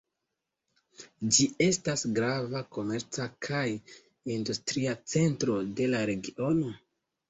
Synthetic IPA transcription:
d͡ʒie̞stasɡɾavako̞me̞ɾt͡sakʰaj | industɾiat͡se̞ntɾo̞de̞laɾe̞ɡiʔo̞no̞

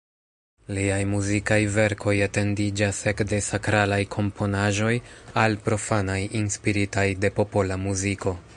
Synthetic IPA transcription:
liajmuzikajve̞ɾkʰo̞jate̞ndid͡ʒase̞kde̞sakɾalajkʰo̞mpʰo̞naʒo̞jalpɾo̞fanajinspiɾitajde̞po̞po̞lamuziko̞

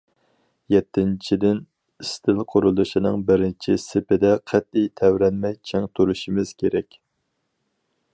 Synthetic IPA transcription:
jɛt̪ʰːɪnt͡ʃʰid̪ɪn | ist̪ʰɪlˠqʰoɾulˠuʃinɨŋbɪɾɪnt͡ʃʰisɪpɪd̪ɛqʰæt̪̚ijt̪ʰɛwɾɛnmɛjt͡ʃʰɛŋt̪ʰuɾuʃimɪz̥kʲʰeɾɛkʲ

